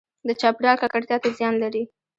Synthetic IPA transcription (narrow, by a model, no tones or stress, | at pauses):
d̪ət͡ʃɑpɾjɑlkakaɾt̪jɑt̪ezjɑnlaɾi